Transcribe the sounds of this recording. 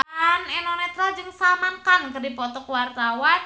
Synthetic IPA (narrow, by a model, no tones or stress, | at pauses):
anɛnɔnɛt̪ɾald͡ʒɨŋsamankankərdipɔt̪ɔkwart̪awan